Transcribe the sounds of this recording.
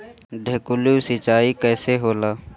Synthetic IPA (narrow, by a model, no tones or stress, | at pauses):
ɖʱeːkʊlusɪt͡ʃaːikɛːseɦoːlaː